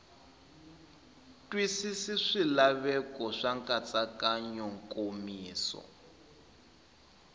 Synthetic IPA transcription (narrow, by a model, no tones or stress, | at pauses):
twisisiʂilaβɛkɔʂaŋkʼat͡sʼakaɲɔŋkʼomiːsɔ̰